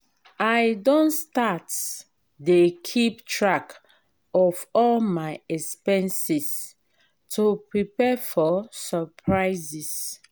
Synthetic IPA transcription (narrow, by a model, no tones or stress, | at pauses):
ajdõnstat | dekʰiptɹak | ɔvɔlmaɪɛkspɛ̃nsis | tʰupɹipɛfɔsəpʰɹaɪzis